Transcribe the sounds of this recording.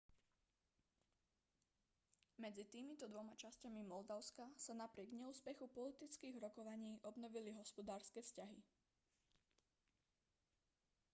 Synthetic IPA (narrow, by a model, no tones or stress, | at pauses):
mɛd͡zit̪iːmit̪ɔd̪ʋɔmat͡ʃascamimɔld̪aʊskasanapɾɪɛɡɲɛuːspɛxupɔlit̪it͡skiːɣɾɔkɔʋaɲiːʔɔbnɔʋiliɦɔspɔd̪aːɾskɛːfscaɦi